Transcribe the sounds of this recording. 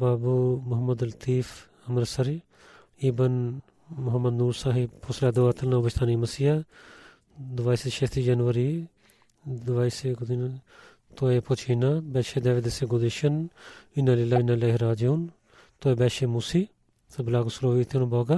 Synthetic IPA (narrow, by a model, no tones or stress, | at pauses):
baːbumʊɦəməd̪lɐt̪iːf | ɐmɾsɐɾi | iːbən | mʊɦəmːəd̪nuːɾsaːɦɪbpʰoslaːd̪oat̪ʰəlnaːbɐʃt̪ʰaːnimɐsija | d̪ʋaːiːsʃet̪id͡ʒɐnʋəɾi | d̪ʋaːiːseɡʊd̪n | t̪oːepot͡ʃʰiːnaːbɛːʃeːd̪ɛːʋed̪eseɡʊd̪ɪʃənɪnalɪlaːɪnːalaːɦɾaːd͡ʒuːn | t̪oːeːbɛːʃeːmuːsiː | sɐbɪlaːɡʊsɾoːʋiːt̪ʰonõbɔːɡa